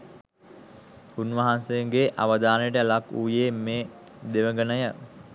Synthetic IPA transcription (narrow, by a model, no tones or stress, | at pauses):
unʋɐɦansejeŋɡeʔaʋəd̪aːnəjəʈəlakuːjeːmeːd̪eʋəɡənəjə